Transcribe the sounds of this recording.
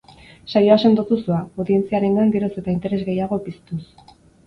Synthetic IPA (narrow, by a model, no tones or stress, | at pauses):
sajo̞ase̞nd̪ot̪usuaoðie̞nt͡siaɾe̞ŋɡaŋɡeɾose̞t̪aint̪e̞ɾe̞zɣe̞jaɣo̞pist̪us